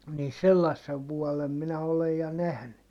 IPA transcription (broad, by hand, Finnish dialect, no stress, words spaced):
niː selːɑsːeʋ ʋuɔlem minæ olej jɑ næhny